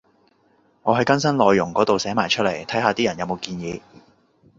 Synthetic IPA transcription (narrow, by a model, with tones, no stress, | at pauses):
ŋɔː˨˧ɦɐ˨˥jkɐ˥nsɐ˥nlɔː˨˧jːʊ˨˩ŋkɔː˨˥t̪o˨wsɛː˨˥maː˨˩jt͡ʃʰɵ˥t̚le˨˩jt̪ʰɐ˨˥jɦaː˨˧t̪iː˥jɐ˨˩njɐ˨˧wmo˨˧wkiː˧njiː˨˧